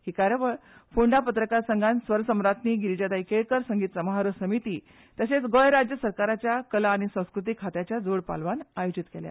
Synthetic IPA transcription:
hiːkaɾəʋəɭfuɳɖapət̪ɾəkaɾsəŋɡʱansʋəɾsəmɾat̪niːɡiɾt͡ɕat̪aikeɭkəɾsəŋɡiːt̪səmɦaɾəsəmit̪iː | t̪əset͡sɡojɾad͡ʑjəsəɾkaɾat͡ɕjakəlaːɽ̃isə̃w̃skɾut̪ikʰːat̪jat͡ɕjad͡zoɽpa̰lʋanajod͡ʑit̪kḛlja̰

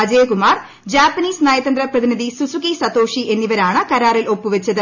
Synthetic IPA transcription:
ɐd͡ʑeːkumaːr | d͡ʑaːpːɐniːsnaːjɐt̪ɐnd̪ɾɐprɐðiniðisusukisɐt̪ːo̞ːʂiʔe̞nːiʋɐɾaːɳɨkɐɾaːrilo̞pːuʋɐt͡ɕːɐðɨ

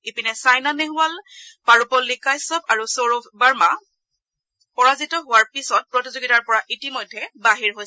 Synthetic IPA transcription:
ipinɛsajnaneɦʊalpaɹupɔlːikajsɔpaɹusoɹɔbaɹma | pɔɹazitɔɦʊwaɹpisɔt̚pɹɔtizoɡitaɹpɔɹaʔitimojdʱːɛbaɦiɹɦoj

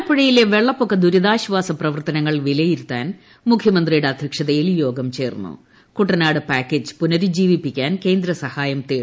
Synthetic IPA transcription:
ɐpːiɻɐjileʋe̞ɭːɐpːokːɐd̪uɾuðaːɕʋaːsɐprɐʋɐrt̪ɐnɐŋːɐɭʋilɐjiɾut̪ːaːn | mukʰjɐmɐnd̪rijuɽeɐd̪ʱjɐkʂɐðɐjiljo̞ːɡɐmt͡ɕe̞ːrnːṵ | kuʈːɐnaːɽɨpaːkːeːd͡ʑɨpunɐɾud͡ʑiːʋipːikʲːaːnke̞ːnd̪ɾɐsɐhaːjɐmt̪eː

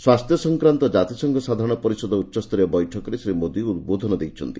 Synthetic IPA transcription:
swast̪jɔsɔŋkɾant̪ɔd͡ʒat̪isɔŋɡʱɔsad̪ʱaɾɔɽ̃ɔpɔɾisɔd̪ʱɔutːʃɔst̪ɔɾiɔbɔjʈʰɔkɔɾesɾemod̪iuud̪̚bod̪ʱɔnɔd̪ejt͡ʃʰɔnt̪i

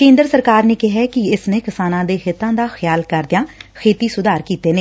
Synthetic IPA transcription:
kẽːnd̪ɾəsəɾkaːɾneːkɪɦɛːkɪɪsneːkɪsaːnãːd̪eːxɪt̪ːãːd̪aːxʰjaːlkəɾd̪ɪjãːkʰeːt̪iːsʊd̪aːɾkiːt̪eːneː

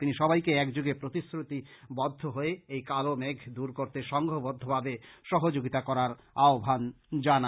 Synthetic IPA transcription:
t̪iniʃɔbajkeɛkd͡ʑuɡepɾot̪isɾut̪ibɔd̪ʱːoɦoeejkalomeɡʱd̪uɾkoɾt̪eʃɔŋɡʱobɔd̪ʱːobʱabeʃɔɦod͡ʑoɡit̪akɔɾaɾ | aobʱan | d͡ʑana

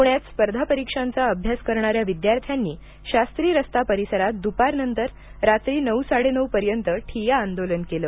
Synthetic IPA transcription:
puɳjat̪spəɾd̪ʱapəɾikʂant͡saəbʱjaskəɾɳ̃aɾjaʋid̪jaɾt̪ʰjanːiː | ɕast̪ɾiːɾəst̪apəɾisəɾat̪̚d̪upaɾnənt̪əɾ | ɾat̪ɾiːnəwsaɽenəwpəɾjənt̪əʈʰijaːnd̪olənkeləː

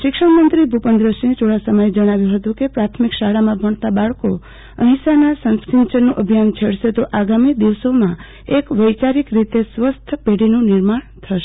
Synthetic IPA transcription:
ʃɪkʃəɳmənt̪ɾibʱupənd̪ɾəsinet͡ʃʰoɭasəməjed͡ʒəɽ̃aʋjũɦət̪ũkepɾat̪ʰmikʃaɽamãbʱəɳt̪abaɭko | əɦĩsanasə̃nskɾint͡ʃənːũʔəbʱjant͡ʃʰeɽʃet̪oʔaɡamid̪iʋsomã | ekʋəjt͡ʃaɾikɾit̪esʋəst̪ʰəpeɽinũnɪɾmaɳt̪ʰəʃe̥

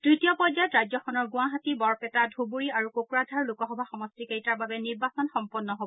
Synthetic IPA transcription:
tɹitiɔpɔɹzajɔtɹajzɔxɔnɔɹɡʊ̃aɦatibɔɹpɛtadʱubuɹiaɹukokɹadʱaɹlukɔxɔbʱaxɔmɔstikejtaɹbabɛniɹbasɔnxɔmpɔnːɔɦobɔ

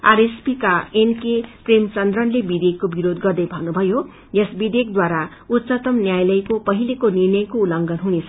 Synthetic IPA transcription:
aɾespikaenkepremt͡sʌnd̪rʌnlebid̪ekːobiɾod̪ɡʌrd̪ʌjbʱʌnubʱʌjo | jesbid̪ek̚d̪waɾa | ut̪t͡sʌt̪ʌmnjajlʌjkopʌɦilekonirnʌjkoulʌŋɡʌnɦunet͡sʰʌ

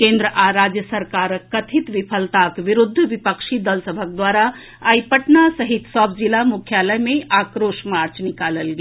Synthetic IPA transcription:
kẽːnd̪ɾəʔaɾaːd͡ʒjəsəɾkaːɾkɐt̪ʰit̪ʋipʰəlt̪akʋiɾʊd̪ʱːʋipəkʃid̪əlsəbʱək̚d̪waːɾa | ajpəʈnasəɦit̪sɔb̚d͡ʒilamukʰjaləjmẽakɾoːʃmaːɾt͡ʃnikaləlɡe

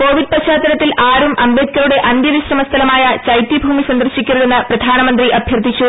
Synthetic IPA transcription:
ko̞ːʋiɖ̚pɐɕaːt̪ːɐɾɐt̪ːilaːɾumʔɐmbet̪̚kɐɾuɽe̞ʔɐnd̪jɐʋiɕrɐmɐst̪ʰɐlɐmaːjɐt͡ɕɐjt̪ːjibʱuːmisɐnd̪ɐrɕikʲːuɾɐðenːɐprɐd̪ʱaːnɐmɐnd̪riʔɐbʱjɐrd̪ʱit͡ɕːu

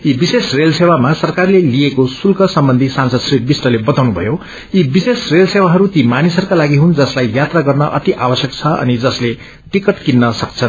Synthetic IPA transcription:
ibisesrelsewamasʌrkarlelijekosulkʌsʌmbʌnd̪ʱisansʌd̪sriʈ̚bisʈʌlebʌt̪awnubʱʌ̰jo | ibisesrelsewaɦʌɾut̪imanisʌrkalaɡiɦund͡zʌslajːjat̪raɡʌrnʌʔʌt̪iʔabʌsjʌk̚t͡sʰʌʌ̰nid͡zʌsle | ʈikʌʈkinːʌsʌkt͡sʰʌn

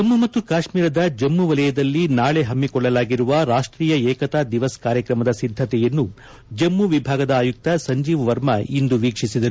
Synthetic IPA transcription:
d͡ʒɐmːumɐt̪ːukaːʃmiːɾɐd̪ɐd͡ʒɐmːuʋɐlɐjɐd̪ɐlːinaːɭe̞ɦɐmːikɔɭːɐlaːɡiɾuʋɐɾaːʂʈɾiːjɐɛːkɐt̪aːd̪iʋɐskaːɾjɐkɾɐmɐd̪ɐsid̪ʱːɐt̪ɛjɐnːu | d͡ʒɐmːuʋibʱaːɡɐd̪ɐːjuk̚t̪ɐsɐɲd͡ʒiːʋɐʋɐɾmɐind̪uʋiːkʂisid̪ɐɾu

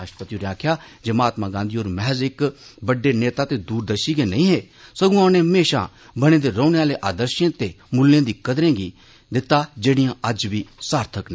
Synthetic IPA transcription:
aːʃpət̪iuːɾãːkʰjaːd͡ʒəmaːt̪maɡãːnd̪ioːɾmɛɦɛzɪkbɐɖːeneːt̪at̪ed̪uːɾd̪əʃiɡenɐĩːɦeː | sɐɡũːaneɦəmeːʃa̰ | bɐɽ̃ẽːd̪eɾoːneaːleʔaːd̪əɾʃẽːt̪e | mʊlːẽːd̪iːkəd̪ɾẽːɡi | d̪ɪt̪ad͡ʒeːɽɪjãːɐd͡ʒbisaːɾt̪ʰəknɛ

